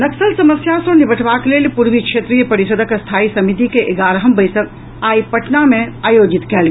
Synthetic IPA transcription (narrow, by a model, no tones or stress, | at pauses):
nɐksəlsɐməsjasõnibəʈʰʋakleːlpuɾʋikʃeːt̪ɾijəpɐɾisəd̪ʱəkst̪ʰaːisɐmit̪̬ikeʔeɡaːɾɦəmbəjsək | aːipɐʈnamẽaːjoːd͡ʒit̪kɛːl